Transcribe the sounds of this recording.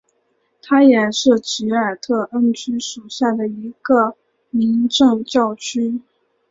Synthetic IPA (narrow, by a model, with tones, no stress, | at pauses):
t̪ʰa˥jɛ˨˩ʂɻ̩˥˩t͡ɕi˧˥ə˞˨˩t̪ʰɤ˥˩ʔə˥nt͡ɕy˥ʂu˨˩ɕja˥˩d̪ə˩i˧˥ɡ̥ə˧ | mi˧˥ŋʈ͡ʂɤ˥˧ŋt͡ɕjɑ˥˩ʊt͡ɕʰy˥